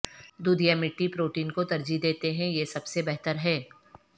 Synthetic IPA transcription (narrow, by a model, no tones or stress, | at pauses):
d̪uːd̪ʱijamɪʈːipɾoːʈiːnkod̪ɐɾd͡ʒid̪eːt̪eɦɛ̃jesɐbsebɛɦt̪əɾɦɛː